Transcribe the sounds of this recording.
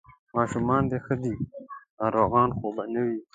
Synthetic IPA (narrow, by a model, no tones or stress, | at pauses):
mɑːʃumɑːnd̪exəd̪i | aɾoɣɑːnxobanəwi